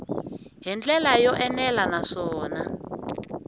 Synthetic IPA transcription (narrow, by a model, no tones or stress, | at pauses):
ɦint͡ɬʼɛlajɔʔɛnɛlanaʂɔːna